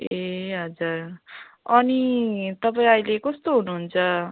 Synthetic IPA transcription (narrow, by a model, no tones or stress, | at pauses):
eɦʌd͡zur | ʌnit̪ʌpaĩʌjlekʌst̪oɦunuɦunt͡sʰʌ